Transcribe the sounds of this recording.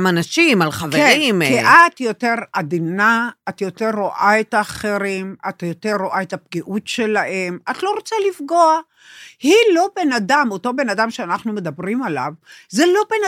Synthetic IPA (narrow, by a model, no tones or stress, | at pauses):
manaʃimalχaveʁeimkeʔatjo̞te̞ʁadinaatjo̞te̞ʁːoʔaetaːχe̞ʁimatjote̞ʁːoʔaetap̚ɡiʔutʃe̞lahe̞matlo̞ʁot͡salifɡo̞a | hilo̞be̞nadamoto̞be̞nadamʃeanaχnume̞d̪abʁimala̰vzelo̞bena